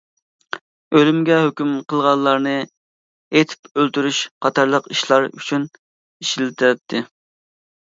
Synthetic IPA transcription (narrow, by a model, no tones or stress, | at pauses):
ølymɡʲɛɦøkʲymqʰəlˠʁɑnlˠɑɾnɨ | et̪ʰɪ̥pølt̪yɾyʃqʰɑt̪ʰɑɾlˠəqiʃlˠɑɾy̰t͡ʃʰyn | iʃilɪt̪ʰɪɾɛt̪ʰːɪ